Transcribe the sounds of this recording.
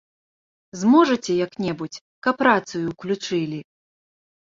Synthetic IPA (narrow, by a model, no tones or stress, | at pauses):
zmɔʐɐt͡sʲɛjaknʲɛbut͡sʲ | kɐpːɾat̪sɨjuklʲut͡ʂɨlʲi